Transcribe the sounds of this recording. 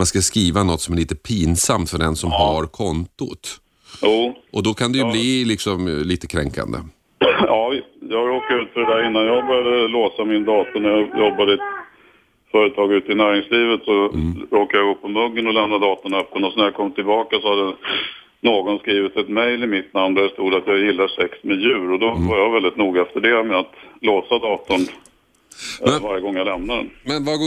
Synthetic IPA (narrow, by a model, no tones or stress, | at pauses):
manskaskɾiːvanɔt̪ːsɔmæɾɭiːt̪əpʰiːnsamt̪fœɖɛnsɔmɦaɾkʰɔnt̪ʊt̪ | juːʔɔd̪ɔkʰand̪ɛjɵblilɪksɔmliːt̪əkʰɾɛŋka̰nd̪ə̰ | ɑːjɑːɡɾoːkːaɾʉ̟ːt̪fœɖɛd̪æːɾɪnːanjɑɡbœɾjad̪əloːsamɪnd̪ɑːt̪ʊɳæɾjɑjɔbːad̪əɛt̪ | fœːɾət̪ʰɑːɡʉ̟ːt̪əɪnæːɾɪŋsliːvət̪sɔɾoːkajaɡopʰɔmɵɡːənɔlɛmnad̪ɑːt̪ʊɳaœpːənɔsnæɾjakʰɔmːt̪ʰɪlbɑːkasɔhad̪ːə | noːɡɔnskɾiːvɪt̪ɛt̪mɛjlɪmɪt̪namnd̪æʂt̪uːd̪at̪jɑːɡjɪlːaʂɛksmɛjʉ̟ːɾɔd̪ɔvaɾjɑɡvɛld̪ɪt̪nuːɡaɛft̪əɖɛmɛat̪loːsad̪ɑːt̪ʊn | vaɾjəɡɔŋːjalɛmnad̪ɛ̰ɛna